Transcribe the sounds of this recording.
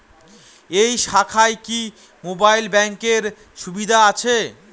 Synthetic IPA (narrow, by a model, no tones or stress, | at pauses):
ejʃakʰaeki | mobajlbɛŋkeɾ | ʃubid̪ʱaat͡ɕʰe